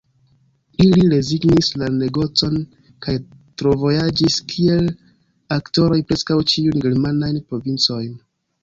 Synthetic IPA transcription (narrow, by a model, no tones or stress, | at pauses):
iliɾe̞ziɡnislane̞ɡo̞t͡so̞n | kaj | tɾo̞vo̞jad͡ʒiskʰie̞l | akto̞ɾo̞jpɾe̞skawt͡ʃiunɡeɾmanajnpɾo̞vint͡so̞jn